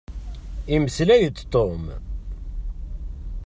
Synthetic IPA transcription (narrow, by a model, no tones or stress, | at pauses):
iməslæjət̪ːt̪ˤːom